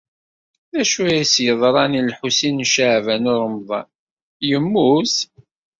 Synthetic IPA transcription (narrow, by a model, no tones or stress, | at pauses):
ðæʃujæsjəðˤɾˤɑnilħusinʃaʕvænʊɾˤəmðˤɑ̰n | jəmːus